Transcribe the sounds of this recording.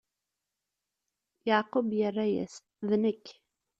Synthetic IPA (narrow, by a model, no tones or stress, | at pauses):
jaʕqʊbjərˤːajæ̰s | ðnəkː